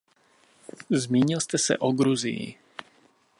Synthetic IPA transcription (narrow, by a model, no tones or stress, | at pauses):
zmiːɲɪlst̪ɛsɛ̰ʔoɡɾuzḭjḭ